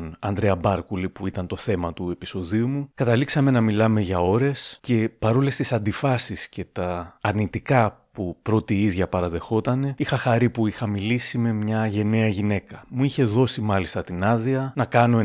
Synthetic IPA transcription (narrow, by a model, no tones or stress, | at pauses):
ɐ̰nd̪ɾeɐbɐɾkulipuit̪ɐnt̪o̞θe̞mɐt̪ue̞pi̥so̞ðiumukɐt̪ɐliksɐme̞nɐmilɐme̞ʝɐo̞ɾe̞sce̞pɐɾo̞le̞st̪isɐnd̪ifɐsisce̞t̪ɐːɾnit̪ikɐpupɾo̞t̪iiðʝɐpɐɾɐðe̞xo̞t̪ɐne̞ixɐxɐɾipuixɐmilisime̞mɲɐʝe̞ne̞ɐʝine̞kɐmuiçe̞ðo̞simɐlist̪ɐt̪inɐðiɐnɐkɐno̞